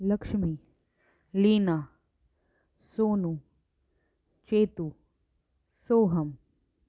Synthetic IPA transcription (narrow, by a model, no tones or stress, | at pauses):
lɐkʂmi | liːnaː | soːnu | t͡ʃeːt̪u | soːɦɐm